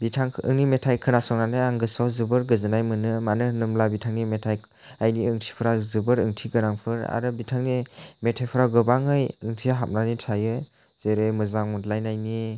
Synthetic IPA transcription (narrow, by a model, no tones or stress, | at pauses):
bitʰaŋʰɯ̰ŋnimetʰajkʰɯnasɔŋnanɯjaŋɡɯsawzɯbɯɾɡɯzɯnajmɯnɯmanɯnɯmlabitʰaŋnimetʰaj | ajniɯŋtʰi̥pʰɯɾazɯbɯɾɯŋtʰiɡɯɾaŋpʰɯɾa̰ɾɯbitʰaŋnimetʰajpʰɯɾawɡɯbaŋɯjɯŋtʰijaɦap̚nanitʰajɯ | z̥eɾɯjmɯzaŋmutlajnajni